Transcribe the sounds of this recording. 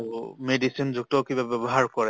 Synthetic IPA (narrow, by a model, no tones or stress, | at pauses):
umedisinzuk̚tɔkibabɛbɔɦaɹkɔɹɛ